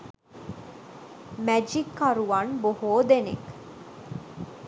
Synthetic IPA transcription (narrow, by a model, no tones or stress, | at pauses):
mæd͡ʒikːɐɾuʋɐnbohoːd̪enḛk